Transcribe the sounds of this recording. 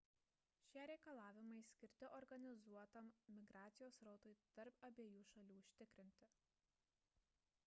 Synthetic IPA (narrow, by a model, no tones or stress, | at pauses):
ʃʲiɛɾʲɛɪkɐlˠɑːʋʲɪmɐɪsʲkʲɪɾʲt̪ʲɪʔɔɾɡɐnʲɪzuɔt̪ɐmmʲɪɡɾɑːt̪sʲɪjoːsɾɒʊt̪ɐɪt̪ɐɾpɐbʲeːjuːʃɐlʲuːʊʃʲt̪ʲɪkɾʲɪnʲt̪ʲɪ